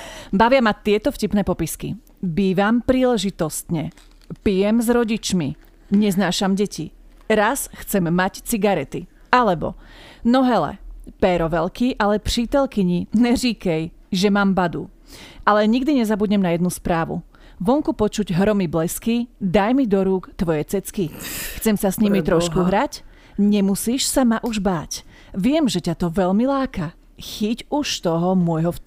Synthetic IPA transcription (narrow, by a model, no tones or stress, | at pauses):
baʋɪamat̪ɪɛt̪ɔfcipnɛːpɔpiskḭ | biːʋampɾiːlɛʒit̪ɔst̪ɲɛ | pijɛmzɾɔɟit͡ʃmi | ɲɛznaːʃamɟɛci | ɾasxt͡sɛmːact͡siɡaɾɛt̪i | alɛbɔ̰nɔɦɛlɛ̰pɛɾɔʋɛlkiʔalɛpriːt̪ɛlkiɲinɛrikɛj | ʒɛmaːmbad̪u | ʔalɛɲiɡd̪iɲɛzabuɟɲɛmnajɛd̪nuspɾaːʋṵ | ʋɔŋkupɔt͡ʃuɟɦɾɔmiblɛskid̪ajmid̪ɔɾuːkt̪ʋɔjɛt͡sɛt͡skixt͡sɛmsasɲimit̪ɾɔʃkuɦɾac | ɲɛmusiːʃsamaʔuʒbaːc | ʋɪɛmʒɛcat̪ɔʋɛʎmilaːka | xicuʃt̪ɔɦɔmʊɔjɦɔf